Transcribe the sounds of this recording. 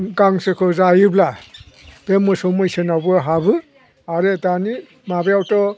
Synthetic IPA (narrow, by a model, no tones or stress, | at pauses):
ɡaŋsekʰɯzajɯbla | b̥emːɯsɔwmɯjsenawbɯɦabɯ | aɾedani | mabejawtɔ